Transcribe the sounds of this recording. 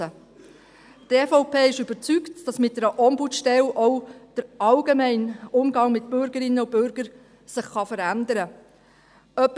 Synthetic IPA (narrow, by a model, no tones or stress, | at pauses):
ə | tɛfɔʊpʰeːɪʃybəɾt͡syktd̥ɑsmɪt̚dɛɾəʔɔmbutʃtɛlʔɔʊd̥əɾɑlɡemɛɪnʊmɡɑŋmɪt̚b̥øʏɾɡ̥əɾɪnːəʊb̥ʏɾɡ̥əɾ | sɪχːɑfəɾændəɾə | œpː